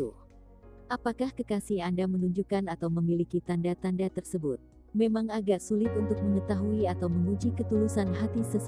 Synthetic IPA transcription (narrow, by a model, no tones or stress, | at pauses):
u | ʔapakahkəkasiandamənuɲd͡ʒukanat̪awməmilikit̪andat̪andat̪ərsəbut̪̚ | memaŋaɡaʔsulɪt̪unt̪ʊk̚məŋət̪aɦuiat̪awməŋud͡ʒikət̪ulusanɦat̪isəs